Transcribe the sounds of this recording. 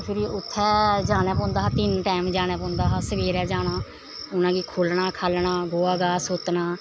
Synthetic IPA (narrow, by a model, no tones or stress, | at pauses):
pʰɪɾiːʊt̪ʰːɛːd͡ʒaːñɛ̃ːpɔ̃ːnd̪aːɦaːt̪ɪnʈɛːmd͡ʒaːñɛ̃ːpɔ̃ːnd̪aːɦaːsəʋeːɾɛːd͡ʒaːñaː | ʊnãːɡiːkʰoːlnaːkʰaːlnaːɡoːaːɡaːsot̪naː